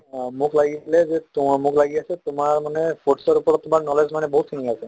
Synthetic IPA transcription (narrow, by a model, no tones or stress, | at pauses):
mukʰlaɡisilɛzɛtmukʰlaɡiasɛtʊmaɹmanɛfʰoʈsɔɹupɔɹɔt̪tːʊmaɹnɔlezmanɛboɦut̪sʰiniasɛ